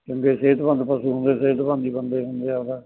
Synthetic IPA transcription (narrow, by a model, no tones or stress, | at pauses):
kjõːŋkeːseːt̪bə̃nd̪pəsuːɦʊ̃nd̪eːseːt̪bə̃nd̪iːbənd̪eːɦʊnd̪eːad̪aː